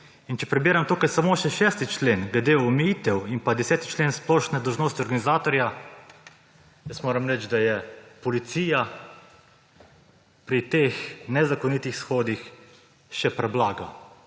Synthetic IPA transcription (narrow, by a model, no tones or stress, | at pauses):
int͡ʃɛpɾɛbiːɾamt̪uːkajsamoːʃɛʃɛːst̪it͡ʃlenɡlɛd̪eɔmɛjit̪ɛwinpad̪ɛsɛːt̪i̥t͡ʃleːnsplɔːʃnɛd̪ɔlwʒnoːst̪iɔɾɡanizaːt̪ɔɾja | jəst̪moːɾamɾɛt͡ʃd̪ajɛpɔlit̪siːja | pɾit̪exnɛzakɔnit̪ixsxoːd̪ix | ʃɛpɾɛblaːɡa